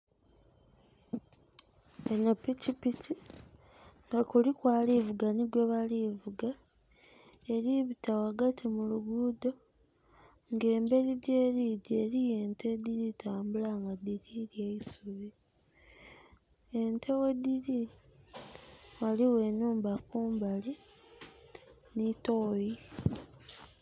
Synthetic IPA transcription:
enapicipici | ŋɡakulikwaːlivuɡaniɡweβalivuɡa | e̞ɾiβitawaɡatʰimuluɡuːdo̞ | ŋɡe̞ːmbe̞ɾiɟe̞ːɾiɟeːɾije̞ːntʰe̞d̪iɾitaːmbulaŋɡadiɾiɾjeisuβi | entʰe̞we̞diɾi | waliwe̞nuːmbakuːmbale | nitoji

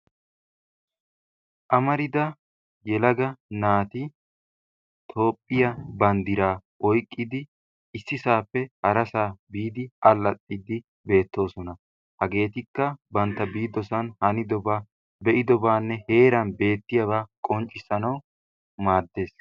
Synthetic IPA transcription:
ʔɐmɐɾɪd̪ɐ | jɛlɐɡɐnaːt̪ɪ | t̪ʰo̞ːpʼːɪjɐbɐnd̪ɪɾaːʔɔjkʼːɪd̪ɪ | ɪsːɪsaːpːɛhɐɾɐsaːbiːd̪ɪɐlːɐt̪ʼːɪd̪ɪ | be̞ːt̪ːo̞ːsɔnɐ | hɐɡe̞ːt̪ɪkːɐbɐnt̪ːɐbiːd̪ɔsɐnhɐnɪd̪ɔba | bɛʔɪd̪ɔbaːnːɛhe̞ːɾɐnbe̞ːt̪ːɪjɐbaːkʼɔnt͡ʃʼːɪsɐnɐw | maːd̪ːe̞ːs

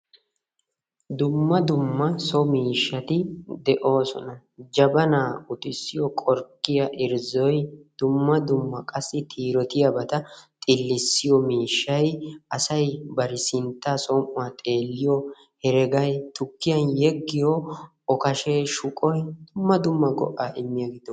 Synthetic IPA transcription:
d̪ʊmːɐd̪ʊmːɐsɔmiːʃːɐt̪ɪd̪ɛʔo̞ːsɔ̰nɐ | d͡ʒɐbɐnaːʊt̪ɪsːɪjɔkʼɔɾkːɪjɐʔɪɾzɔjd̪̥ʊmːɐd̪ʊmːɐkʼɐsːɪt̪ʰiːɾɔt̪ɪjɐbɐt̪ɐt̪ʼɪlːɪsːɪjɔmiːʃːɐjʔɐsɐjbɐɾɪsɪnt̪ːaːsɔmʔʊɐt̪ʼe̞ːlːɪjɔ | hɛɾɛɡɐjt̪ʊkːɪjɐnjɛɡːɪjɔ | ɔkɐʃeːʃʊkʼɔjd̪ʊmːɐd̪ʊmːɐɡɔ̰ʔaːʔɪmːɪjɐɡɪd̪ɔ

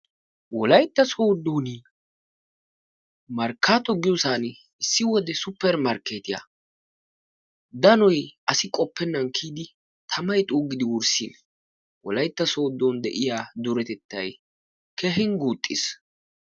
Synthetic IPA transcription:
wɔlɐjt̪ːɐsoːd̪ːoːn | mɐɾkːaːt̪ɔɡɪjɔsaːn | ɪsːɪwɔd̪ɛsʊpːɛɾmɐɾkeːt̪ɪja̰ | d̪ɐnɔjʔɐsɪkʼɔpːɛnːɐnkʰːiːd̪ɪ | t̪ʰɐmɐjt̪ʼuːɡɪd̪ɪwʊɾsḭn | wɔ̰lɐjt̪ːɐso̞ːd̪ːond̪ɛ̰ʔɪjaːd̪ʊɾɛt̪ɛt̪ːɐ̰j | kɛɦɪŋɡuːt̪ʼːɪ̰s

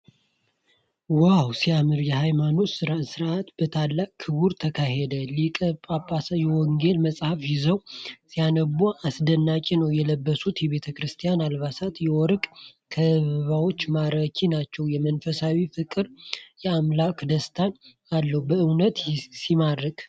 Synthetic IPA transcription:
wawsijamɨɾjɛhajmano̞t̪sɨɾasɨɾʔat̪b̥ət̪ʰalːakkʰɨβuɾt̪ʰəkʰaɦed̪əlikʼpʼapʼasjɛwɔŋɡelməsʼhafjɪzəwsijanəbuasd̪ənːat͡ʃʼinəwjɛləbːəsut̪jɛβe̞t̪ʰəkɾɨst̪ʰijanalβasat̪jɛwɔɾkʼkʰəβəβawo̞t͡ʃːmaɾəkʰinat͡ʃːɛwjɛmənfəsawifɨkʼɨɾjɛamlakd̪əst̪ʰan | alːəhubəɨwnət̪simaɾəkʼ

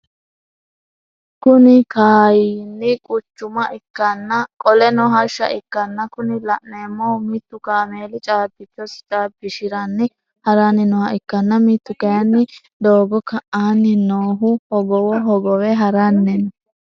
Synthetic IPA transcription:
kʊnɪkaːjiːnːɪkʼʊt͡ʃːʊmɐʔɪkːɐnːɐkʼɔlɛnɔɦɐʃːɐ̰ʔɪkːɐnːɐkʊnɪlɐʔneːmːɔmɪt̪ːʊkaːmeːlɪt͡ʃʼaːbɪt͡ʃːɔst͡ʃʼaːbɪʃɪɾɐnːɪ | hɐɾanɪnɔhɐɪkːɐnːɐmit̪ːʊkɐjɐnːɪ | d̪oːɡɔkɐʔaːnːɪnoːɦʊhɔɡɔwɔɦɔɡɔwɛɦɐɾɐnːɛn

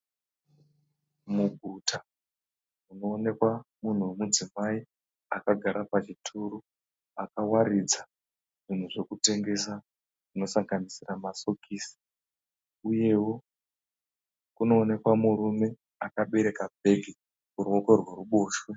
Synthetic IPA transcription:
muɡʱuta | uno̞ːne̞kwamun̤uwemud͡zimai | akaɡʱaɾapat͡ʃitʰuɾu | akawaɾid͡za | ʐ̥in̤uʐe̞kute̞ŋɡe̞sa | ʐ̥ino̞saŋɡanisiramaso̞kʰiːsi̥ | uje̞wo̞ | kuno̞ːne̞kwamuɾume̞ | akaɓe̞ɾe̞kabʱe̞ɡʱi | kuɾuoko̞rweruɓo̞ːʃwe̞

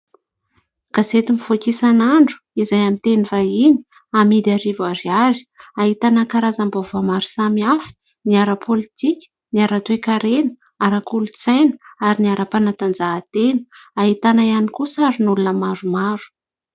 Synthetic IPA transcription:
kaset̪imifokisanaɳɖ͡ʐu̥izajamint̪enivaini̥ | amid̪aɾivuaɾiazi̥aɦit̪anakaɾazambovamaɾu̥samiafi̥ | niaɾəpʰolit̪ikʲi̥ | niaɾat̪wekaɾenə̥ | aɾakulut͡sajnə̥aɾiniaɾʔapanat̪and͡zaːt̪enə̥aɦit̪anajanikusaɾinulunəmaɾumaɾu̥

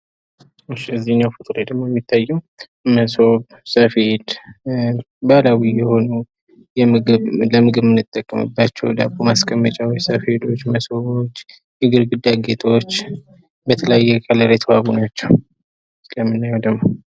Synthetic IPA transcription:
ɨʃːiɨzːihɨɲːawfɨt̪ʼɨɾed̪əmo̞jɛmːit̪ʰːajːɛm | məso̞b | səfed̪ | balawijɛho̞nu | jɛmɨɡɨβləmɨɡɨβmɨnːɨt̪ʼːəkʼːəmɨ̰bːat͡ʃːɛ̰wd̪a̰bomaskʼəmːət͡ʃʼawsəfed̪o̞t͡ʃːməsoβot͡ʃː | ɛɡɨɾɡɨd̪aɡet̪ʰo̞t͡ʃː | bət̪ʰələjajːɛkʰʼələɾet̪ʰβaβunat͡ʃːɛw | sɨləmːɨnːajɛwd̪əmːo

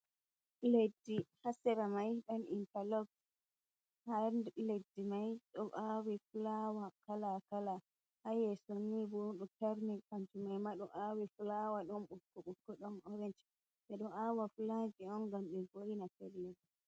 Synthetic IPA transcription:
ledːihasɛɾamajɗɔnintalɔɡs | handledːimajɗɔʔawifulawakalakala | hajɛsonːiboɗutaɾnikant͡ʃumajmaɗɔʔawifulawaɗɔnɓukːɔɓukːɔɗɔnɔɾɛnt͡ʃi̥ | sɛɗɔnawafuland͡ʒiɔŋɡamɗinfojinafɛlːɛdɔ

